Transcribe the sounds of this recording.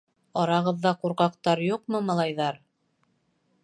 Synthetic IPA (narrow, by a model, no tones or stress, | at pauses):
ɒɾɑʁɤ̆ðːɑquɾqɑqt̪ɑɾjuqmɤmɑlˠɑjðɑɾ